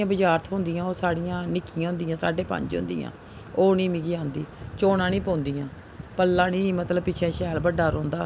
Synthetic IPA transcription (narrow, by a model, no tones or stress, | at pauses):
ãːbəd͡ʒaːɾt̪ʰɦʊ̃nd̪ijãːoːsaːɽijãːnɪkːɪjãːɦʊ̃nd̪ijãːsaːɖeːpə̰̃ɲd͡ʒɦʊ̰̃nd̪ḭjã̰ː | oːnĩːmiɡiːãːnd̪iːt͡ʃoːnãːniːpõːnd̪ijãː | pəlːãːnĩːmət̪ləbpɪt͡ʃʰɛ̃ːʃɛːlbəɖaːɾõːnd̪aː